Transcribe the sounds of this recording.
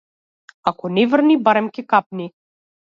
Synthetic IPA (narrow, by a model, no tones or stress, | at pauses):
akɔnɛvrnibaɾɛmkʲɛkap̚ni